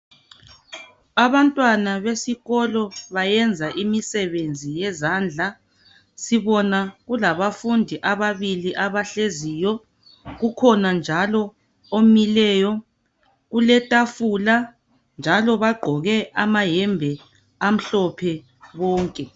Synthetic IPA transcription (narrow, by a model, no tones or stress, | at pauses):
aβantʼwanaβesiɣɔlɔβajɛnd͡zʱaʔimisɛβend͡zʱijɛzand͡ɮʱa | siβɔnaɣulaβafundʱiʔaβaβiliʔaβaɬezijɔ | ɣukʰɔnand͡ʒʱalɔ | omilɛːjɔ | ɣulɛtʼafula | nd͡ʒʱalɔβaɡ͡ǃʱɔɣɛʔamaɦɛmbʱɛ | am̩ɬɔpʰɛ | βɔːŋkʼɛ